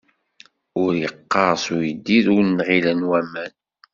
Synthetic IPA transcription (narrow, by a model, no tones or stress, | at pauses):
ʊɾjəqːɑɾsujəd̪ːiðʊɾnːʁilænwæmæn